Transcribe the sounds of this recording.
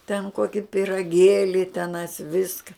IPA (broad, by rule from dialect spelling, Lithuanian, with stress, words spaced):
tʲɛn ˈkoːkʲɪ pʲɪrɐˈɡʲeːlʲɪ tʲɛˈnɐɪs ˈʋʲɪskɐ